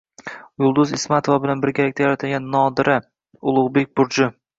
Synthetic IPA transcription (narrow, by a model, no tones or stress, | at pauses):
jʊlˠd̪ʊzɪsmat̪ʰovabɪlanbɪɾɡʲalak̚ʲt̪ajaɾat̪ʰalɡʲanːɒd̪ɪɾʔɪ | ʊlˠʊʁbe̞k̚ʲbʊɾd͡ʒɪ